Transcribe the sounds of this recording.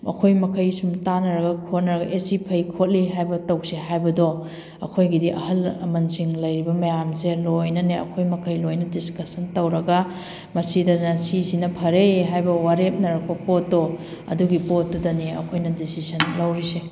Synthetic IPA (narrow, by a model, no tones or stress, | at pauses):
ɐ̰kʰojmɐkʰɐjsumtanɐɾɐɡɐkʰot̚nɐɾɐɡɐ̰ʔesipʰɐjkʰot̚liɦajbɐtɐwsiɦajbɐdo | ɐ̰kʰojɡidiʔɐɦɐlɐ̰mɐnsiŋlɐjɾibɐmɐjamselojnɐneɐ̰kʰojmɐkʰɐjlojnɐdiskɐsɐntɐwɾɐɡɐ | mɐsidɐnɐsisinɐpʰɐɾeɦajbɐwaɾep̚nɐɾɐk̚pɐpotːo | ɐ̰duɡipotːodɐneɐ̰kʰojnɐdisisɐnlɐwɾise